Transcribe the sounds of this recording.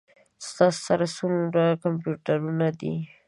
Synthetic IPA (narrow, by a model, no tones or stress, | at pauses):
st̪ɑssaɾasunɾakampjuʈaɾunad̪ḭ